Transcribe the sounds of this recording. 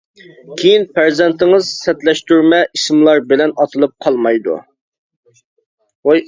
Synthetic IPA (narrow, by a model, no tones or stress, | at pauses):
kʲʰejinpæɾzɛnt̪ʰɪŋɨzsɛt̪lɛʃt̪yɾmɛʔismlˠɑɾbɪlɛnɑt̪ʰɨlˠɨp̚qʰɑlˠmɑjd̪ṵ